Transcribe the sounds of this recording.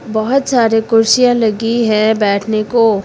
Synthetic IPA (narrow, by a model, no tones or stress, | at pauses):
bɔɦʊt̪saːɾekʊɾsijãlɐɡiɦɛ̃bɛːʈʰneko